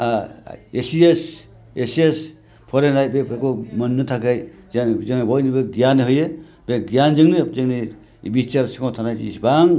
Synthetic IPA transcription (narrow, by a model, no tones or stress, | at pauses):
aesies | eses | pʰɔɾenɾaj̚bepʰɾakɔmɯnːɯtʰakʰajzanzɯŋnibɔjnibɯɡijanɯɦɯjɯ | b̥eɡijanzɯŋnɯzɯŋni | bit͡ʃaɾsikawtʰanajtḭsbaŋ